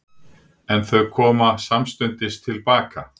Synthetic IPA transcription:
ɛnθœɥkʰɔːmasamst̪ʏnt̪ɪst̪ʰɪlpaːka

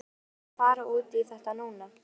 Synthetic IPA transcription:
faːɾaʔuːt̪iθɛht̪anuːna

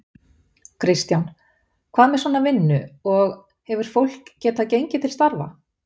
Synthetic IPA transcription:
kʰɾɪst̪jawn | kʰv̥aːðmɛsaːnavɪnːʏɔɣ | hɛvʏɾ̥fowl̥kcːɛːt̪aðcejɲcɪt̪ʰɪlst̪aɾva̰

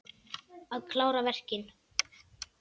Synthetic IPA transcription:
aðkʰlaːwɾavɛr̥cɪn

